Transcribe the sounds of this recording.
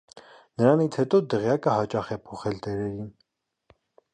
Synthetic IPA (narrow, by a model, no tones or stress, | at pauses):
nəɾɑnit͡sʰhɛt̪ɔd̪əʁjɑkəhɑt͡ʃɑχɛpʰɔχɛlt̪ɛɾɛɾin